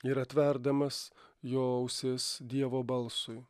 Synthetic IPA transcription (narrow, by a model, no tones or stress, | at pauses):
ɪɾɐt̪ʲʋʲɛɾd̪ɐmɐsjoːʊsʲɪsd̪ʲiɛʋoːbɐlˠsʊɪ